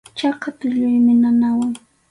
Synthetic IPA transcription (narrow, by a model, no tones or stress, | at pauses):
t͡ʃakat̪ɪʎʊjmɪnanawaŋ